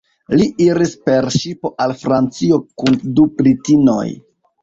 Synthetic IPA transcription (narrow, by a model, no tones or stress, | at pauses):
liʔiɾispe̞ɾʃipo̞ʔalfɾant͡sio̞kundupɾitino̞̰j